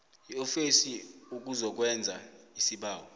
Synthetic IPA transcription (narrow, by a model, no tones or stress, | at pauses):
jiofisiuk̬ʼuzɔk̬wɛnd͡zʱaisiɓaːwɔ